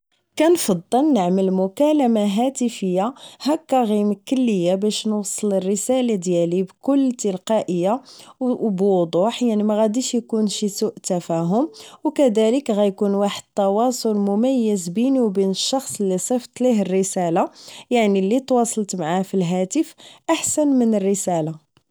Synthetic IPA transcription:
kænfɑd̪ˤːəlnəʕməlmʊkæləmaɦæt̪əfəjːahækːæɣimkəlːəjːabæʃnwsˤːələrːəsælad̪jælibkʊlːt̪əlqɑʔəjːa | bwd̪ˤuħjaʕnimæɣæd̪iʃjkunʃisuʔt̪æfæɦʊmwkæd̪æləkɣæjkunwaħəd̪̚t̪ːɑwɑsˤʊlmʊmæjːəzbiniwbinəʃːɑxsˤəlːisˤɑft̪ˤliɦərːəsælajaʕnilːit̪wɑsˤɑlt̪maʕafilɦæt̪əfʔaħsænmənərːəsæla

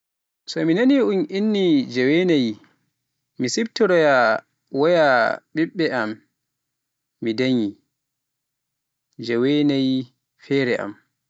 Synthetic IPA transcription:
sɔminaniunʔinːid͡ʒɛwenaji | misibtɔɾɔja | wɔjaɓiɓːɛam | idaɲi | d͡ʒɛwenaji | fɛːɾɛʔa̰m

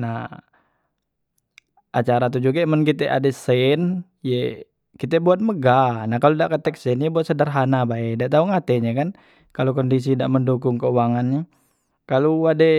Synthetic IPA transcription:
na | ʔat͡ʃaɾat̪̬ud͡ʒuɡaimənkit̪ɛʔa̰dɛsɛn | je | kit̪ɛbuat̪̚məɡanahkaludaʔkət̪ɛk̚sɛnjɛbuat̪sədarɦanabaɛdaʔt̪auŋat̪ɛɲakan | kalokɔndis̬idaʔməndukuŋkəuaŋanɲɛ | kaluadɛ

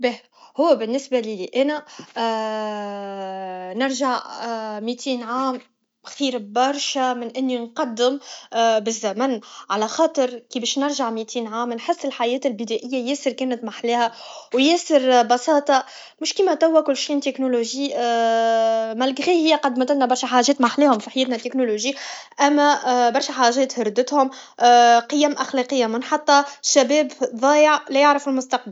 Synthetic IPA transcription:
bɛ | hʊwːæbɪnːɪsbæliliʔæːnæ | nɪɾʒaʕmit̪ʰiːnʕaːm | xiːɾbɑɾˤʃæmɪnʔɪnːinqɑd̪ːɪmbɪzːæmænʕalæxɑːt̪ˤəɾkibɛːʃnɪɾʒaʕmit̪ʰiːnʕaːmnħɪsːɪlħajɛːt̪ɪlbɪd̪æʔɪjːæjɛːsɪɾkɛːnət̪maħlæːhæwjɛːsɪɾbɑsɑːt̪ˤɑ | mʊʃkiːmæt̪æwːækʊlːʃiːʔnt̪eknoloʒiː | mælɡɣiːhɪjːæqɑd̪mæt̪ælnæbɑɾˤʃæħaːʒɛːt̪maħleːhʊmfiħjɛːt̪næt̪ːeknoloʒiː | ʔæmːæbɑɾˤʃæħaːʒɛːt̪hɑɾˤd̪ːɪt̪hʊm | qɨjːæmʔæxlæqəjːamɪnħɑt̪ˤːɑʃæbɛːbðˤɑːjəʕlɛjɪʕɾəfɪlmʊst̪ɑq̚bəll

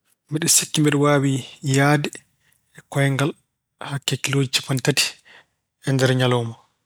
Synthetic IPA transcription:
mɛɗɛsekːimɛɗɛwaːwijaːdɛ | ɛkɔjɛŋɡal | hakːɛkilod͡ʒit͡ʃːi̥pantati̥ | ʔɛndɛɾɲalɔmɔ

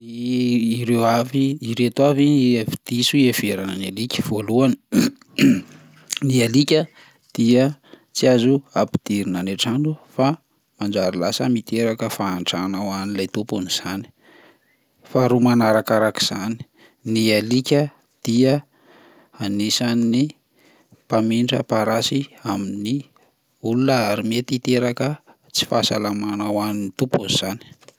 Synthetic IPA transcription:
iː | ɾewaviːɾet̪uavinvid̪isuev̥eɾanənalikʲə̥v̥oluani̥ | nialikʲə | d̪̥iə | t͡siazuapi̥d̪̥iɾinaneʈ͡ʂanufa | mand͡ʒaɾilasəmit̪eɾakəfaːnʈ͡ʂanawanilajt̪upuniz̥ani̥ | faɾumanaɾakaɾaki̥z̥ani̥ | nialikʲə | d̪̥iə | anisanːi | pamiɳɖ͡ʐə̰paɾasiamini | ulunəaɾimet̪it̪eɾakə | t͡si̥fasalamanawaninit̪upuniz̥ani̥

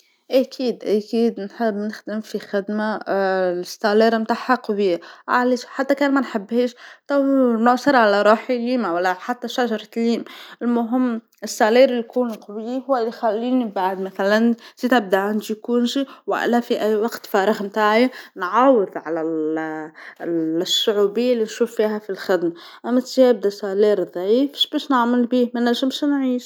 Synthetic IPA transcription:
ʔakʰiːd̪ʔakiːd̪nħɪbːnɪxd̪ɪmfixɪd̪ma | ɪst̪aːleːɾmt̪aːħaqɑwɪːʕaleʃħat̪ːakaːnmanħɪbːheːʃt̪ˤɑwnʊʕsˤɑɾˤʕalaɾˤɑːħiliːmawalːaħat̪ːaʃaʒɑɾˤɑt̪liːmɪlmʊɦɪmː | ɪst̪aːleːɾɪlijkuːnqɑwjihʊːalːjxalːiːnibaʕd̪maθalanz̥iːt̪ab̚d̪aʕand̪ijkuːnʃiwa̰ʔɪ̰lːafiʔæjːwɑqt̪fɑːɾˤɑɣmt̪aːʕjanʕɑwɨðˤʕalal | sːʊʕuːbɪjːalːinʃuːfːiːɦafilxɪd̪ma | ʔamːat̪ʒeb̚d̪asaliːɾðˤʕiːfʃbeːʃnaʕmɪlbiːmɪnaʒɪmʃnʕiːʃ

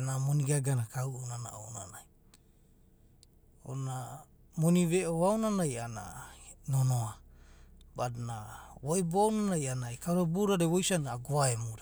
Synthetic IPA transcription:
namoniɡaɡanakawʔonana̰o̰wnanaj | o̰na | moniβeʔoawnanajana̰nonoa | badnawojboawnanajanaekawɾabuɾaɾewojsanaaɡoaemuɾa

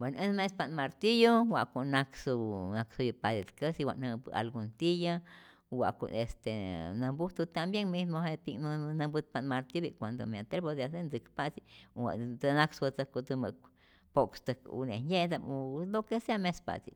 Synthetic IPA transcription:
benʔəsmespanmaɾt̪ijowa̰ʔkonaksunaksujupad̪et̪kəsiwa̰ʔnəpɨa̰lɡunt̪ija | wa̰ko̰est̪enambut̪ut̪ambjeŋmismohet̪inunãbɨt̪̚panmaɾt̪iobikʷand̪o̰meat̪elbod̪asend͡zɨkpat͡siwa̰tanaksət͡s̪əkut̪umə̰ | pokst̪əkṵneɲed̪amulokeseamespa̰t͡sḭ

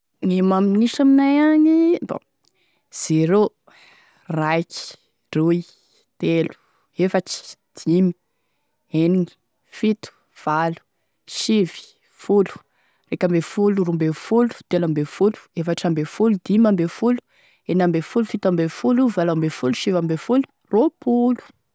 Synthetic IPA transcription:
ŋimamiinisaminajaɲibo̰ | z̥eɾo | rajki̥ | ruj | t̪elu̥ | efaʈ͡ʂi̥d̪̥imi̥ | eniɲi̥ | fit̪u̥ | v̥alu̥ | ʃivi̥ | fulu̥ | rekambefulurumbefulu̥t̪elambefulu̥efaʈ͡ʂambefulud̪imambefulu̥ | enambefulufit̪ambefuluvalambefuluʃivambefulu̥ | ropʰulu̥

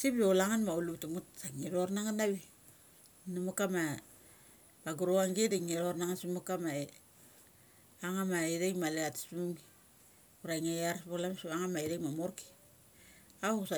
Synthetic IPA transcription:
sipjolaŋanmaulutumutsaŋiɾornaŋanaβi | numukama | baɡuɾoaŋɡidaŋiɾoɾnaŋansimukama | aŋamaideŋmaleati̥smumi | uɾaŋajaɾspolamsipaŋanmaiɾemamorki̥ | asa

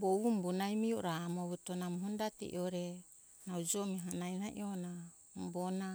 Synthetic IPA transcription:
boβumbunajmiuʔɾamoβutonamɦundatḭʔḭoɾe | nawd͡ʒomiɦanajnaʔḭona | mbona

